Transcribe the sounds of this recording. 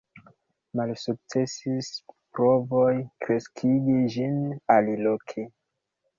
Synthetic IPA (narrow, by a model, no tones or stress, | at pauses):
malsuk̚t͡se̞sispɾo̞vo̞jkɾe̞skʰiɡid͡ʒinalilokʰi